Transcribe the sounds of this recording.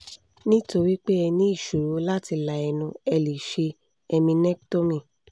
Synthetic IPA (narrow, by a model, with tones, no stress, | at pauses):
nĩ˦to˧ɾi˦k͡pe˦ɛ˧nĩ˦i˦˨ʃo˨ɾo˨˦la˦ti˧la˨ɛ˧nũ˧ɛ˧li˨ʃe˧ | ɛ˧mĩ˧nɛ˦k̚to˦mĩ˧˨